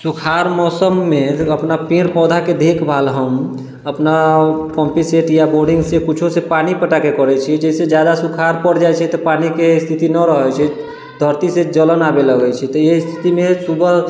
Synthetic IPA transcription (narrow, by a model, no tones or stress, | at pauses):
sukʰaɾmɔsəmːeəpnapẽɾpɔd̪ʱaked̪ʱekbʱalɦəm | əpnapɔ̃mpiseʈjaboɾɖiŋɡsekut͡ʃʰosepanipəʈakekəɾɛt͡ʃʰid͡ʒɛsed͡ʒjad̪asukʰaɾpəɽd͡ʒajt͡ʃʰɛt̪ɔpanikest̪ʰit̪inəɾəɦɛt͡ʃʰɛ | d̪ʱəɾt̪ised͡ʒələnabeləɡɛt͡ʃʰɛt̪ɔjest̪ʰit̪imesubəɦ